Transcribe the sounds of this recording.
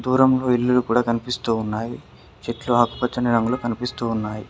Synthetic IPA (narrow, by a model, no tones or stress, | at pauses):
d̪uːɾɐmlo̞ːilːulukuːɽaːkɐnipist̪uːunːaːji | t͡ʃeʈluɦɐku̥pɐt͡ʃːɐniɾɐŋɡulokɐnipist̪uːunːaːji